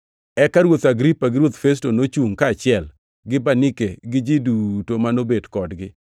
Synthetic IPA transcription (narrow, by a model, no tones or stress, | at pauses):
ɛkaɾwot̪aɡɾipaɡɪɾwot̪fes̬tonot͡ʃuŋkaːt͡ʃɪɛl | ɡɪbanɪkeɡɪd͡ʒidutomanobedkɔdɡɪ